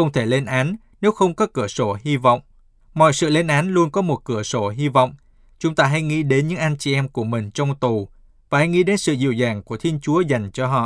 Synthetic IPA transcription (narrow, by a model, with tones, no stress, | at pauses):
ə˧wŋ͡mt̪ʰe˧˩le˧nʔaː˨˦n | ne˨˦wxə˧wŋ͡mkɔ˨˦kɨ˧˩əso˧˩hi˧vɔ̰˧˨wŋ͡m | mɔ̰˧˨jsɨ̰˧˨le˧nʔaː˨˦nlu˧ənkɔ˨˦mo˨˩t̚kɨ˧˩əso˧˩ɦi˧va̰˧˨wŋ͡m | t͡ɕʊ˨˦ŋ͡mt̪aː˧ɦa˧jŋḭ˧˥ɗe˨˦nɲɨ̰˧˥ŋʔaː˧nt͡ɕi˨˩ʔɛ˧mku˧˩əmï˨˩ŋ̟t͡ɕɔ˧wŋ͡mt̪u˨˩ | vaː˨˩ha˧jŋḭ˧˥ɗe˨˦nsɨ̰˧˨zḭ˧˩əwzaː˨˩ŋku˧˩ət̪ʰi˧ənt͡ɕu˨˦əza˨˩jŋ̟t͡ɕɔ˧ɦɔ̰˧˨